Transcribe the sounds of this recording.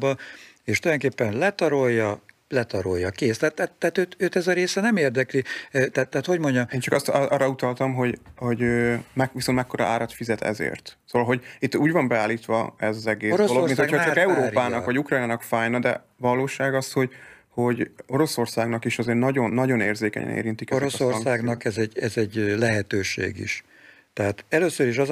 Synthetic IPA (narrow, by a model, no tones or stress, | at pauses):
bɒeːʃt̪ojoŋkeːpːɛnlɛt̪ɒɾo̞jːɒlɛt̪ɒɾo̞̰jːɒkeːst̪at̪ːat̪ːaːt̪øːt̪øːt̪ɛzɒɾeːsɛnɛmeːrd̪ɛklit̪aːt̪ːaːt̪ho̞ɟmo̞ɲɟɒmeːnt͡ʃɒkɒst̪ʔɒːrːɒut̪ɒlt̪ɒmɦo̞ɟho̞ɟøːmɛkvisont̪mɛkːoɾɒ̰aːɾɒt̪fizɛt̪ɛ̰zḛːrt̪soːvɒlɦo̞ɟit̪ːuːɟvɒmbɛaːlːiːt̪ʋɒ̰ɛzɒzɛɡeːsɾdolomit̪hohot͡ʃɒkɛuɾoːpaːnɒkʋɒɟukraːjnaːnɒkfaːjnɒd̪ɛ̰ | vɒlːoːʃaːɡɒsho̞ɟ | ho̞ɟo̞ɾo̞so̞rsaːɡnɒkiʃɒzeːrnɒɟo̞nːɒɟo̞neːrzeːkɛ̰ɲɛ̰nḛːɾint̪ikɛzɾsoŋaːɡnɒkɛzɛɟɛzɛɟlɛɦɛt̪øːʃḛːɡḭʃ | t̪ɛɦaːt̪ɛløːsøɾiʃɒz